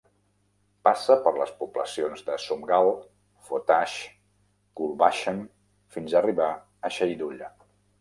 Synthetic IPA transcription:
pasəpəɾləspublə̰sionzðəsumɡalˠ | fot̪aʃ | kulˠβaʃən | finzəriβa | əʃəjd̪uʎə

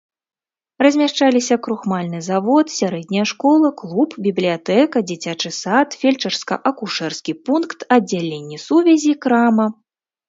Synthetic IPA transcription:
rɐzʲmʲaʂt͡ʂalʲisʲɐkɾuxmalʲnɨzavɔt̪sʲaɾɛd̪ʲnʲɐjɐʂkɔlˠɐklˠupbʲiblʲijat̪ɛkɐd͡zʲit͡sʲat͡ʂɨsat̪fʲelʲt͡ʂɐrskɐ̰ʔɐkuʂɛrskʲipunkt̪ɐdd͡zʲːalʲenʲːisuvʲɛzʲikɾamɐ

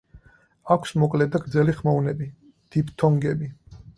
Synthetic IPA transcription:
akʷʰsmɔkʼlɛd̪aɡɾd̪zɛliχmaunɛbi | d̪̥ipʰt̪ʰɔŋɡɛbi

